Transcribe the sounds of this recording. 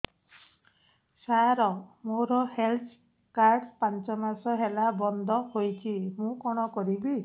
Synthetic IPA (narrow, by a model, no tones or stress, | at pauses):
sajɾɔmoɾɔhelt̪ʰ | kaɾɖpant͡ʃɔmasɔɦelabɔnd̪ʱɔhojt͡ʃʰimũkɔɽ̃ɔkɔɾibi